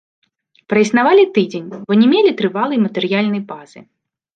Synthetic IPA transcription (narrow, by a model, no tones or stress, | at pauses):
pɾɐisnavalʲit̪ɨd͡zʲenʲbɔnʲɛmʲelʲit̪ɾɨvalˠɐjmɐt̪ɛɾjalʲnɐjbazɨ